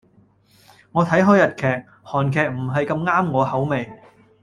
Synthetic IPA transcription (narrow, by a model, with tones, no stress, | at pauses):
ŋɔː˨˧t̪ʰɐ˨˥jɦɔː˨˥jɐ˨t̚kʰɛː˨k̚ | hɔː˨˩nkʰɛː˨k̚m̩˨˩ɦɐ˨jkɐ˧mŋaː˥mŋɔː˨˧hɐ˨˥wme˨˧j